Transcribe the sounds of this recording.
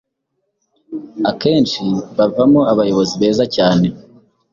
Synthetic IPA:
ake̞ːnʃiβavamoaβajo̞βo̞ziβe̞ːzacaːne̞

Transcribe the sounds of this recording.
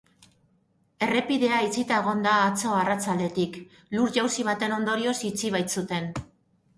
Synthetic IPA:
e̞re̞piðe̞ait͡sit̪aeɣ̞o̞nd̪aːt͡so̞arat͡sald̪e̞t̪ik | luɾʝawsiβ̞at̪e̞no̞nd̪o̞ɾio̞sit͡siβ̞ajt͡sut̪e̞n

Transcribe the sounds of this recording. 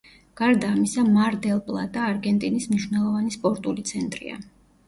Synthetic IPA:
ɡ̥aɾd̪aːmisamaɾd̪ɛlˠpʼlˠa̰d̪aːɾɡɛnt̪ʼinismniʃwnɛlˠɔvanispʼɔɾt̪ʼulit̪sʰɛnt̪ʼɾḭa̰

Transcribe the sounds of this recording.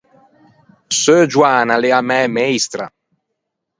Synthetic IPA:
søːd͡ʒwaːnaleamɛːmejst̪ɾa̰

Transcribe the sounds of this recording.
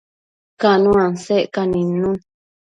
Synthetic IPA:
kanũãnseʔkanĩnːũn

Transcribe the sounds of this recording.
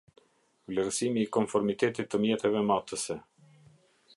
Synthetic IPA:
vlɛɾsimiːkɔmfɔɾmit̪ɛt̪it̪ːəmjɛt̪ɛvɛmat̪əsɛ

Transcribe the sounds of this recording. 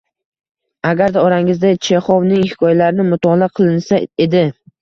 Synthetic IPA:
aɡʲaɾd̪aɒɾaŋɪzd̪at͡ʃʰeχɒwnɪŋhɪ̥kʰɒjalaɾɪnɪmʊt̪ʰɒlˠaqʰɨlˠɪnsaed̪ɪ

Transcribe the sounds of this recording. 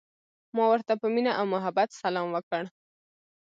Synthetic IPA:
mɑwəɾt̪apəminaʔawmʊɦabat̪salɑmwəkəɽ

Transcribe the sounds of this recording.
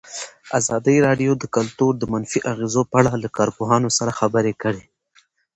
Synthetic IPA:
azɑd̪əjɾɑɖjod̪əkalt̪uɾd̪əmanfiʔaɣezopəaɽalakɑɾpoɦɑnosaɾaxabəɾekəɽe

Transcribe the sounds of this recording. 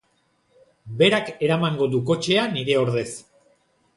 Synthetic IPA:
be̞ɾake̞ɾamaŋɡo̞ðuko̞t͡ʃe̞aniɾe̞o̞ɾðe̞s

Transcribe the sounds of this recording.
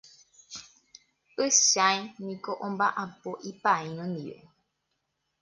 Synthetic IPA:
ɨʃajnĩko̞ʔõmbaʔapoʔipaĩnõnd̪ḭʋe̞̰

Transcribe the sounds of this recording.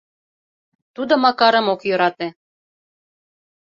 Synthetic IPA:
t̪ud̪omɑkɑɾə̆mokjø̆ɾɑt̪e

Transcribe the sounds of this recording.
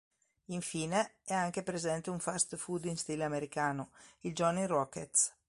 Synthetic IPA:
iɱfiːneɛaŋk̟epɾezɛnt̪euɱfast̪fud̪inst̪iːleameɾikaːnoild͡ʒɔnirɔket̪s

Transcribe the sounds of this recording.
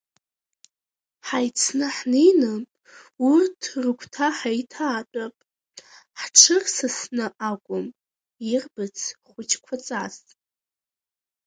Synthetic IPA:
ħajt͡sʰnɨħnejnɨpʼ | urtʰrɨkʷʰtʰaħajtʰaːtʼapʼ | ħʈ͡ʂʰɨrsɨsnɨʔakʷʼʊm | irbɨt͡sʰχʷʊt͡ʃʰkʷʰat͡sʼazʼ

